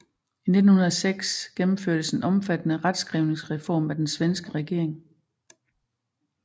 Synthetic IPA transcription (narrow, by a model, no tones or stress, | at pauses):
ine̝d̥n̩hunɐðˠɒseɡ̥sɡ̥emm̩føɐ̰d̥əse̝nʔɒ̽mfæd̥ənəʁad̥sɡ̥ʁiʊne̝ŋsʁɛfɒ̰ːmæd̥ensʋensɡ̥əʁɛɡ̥e̝ɐ̰e̝ŋ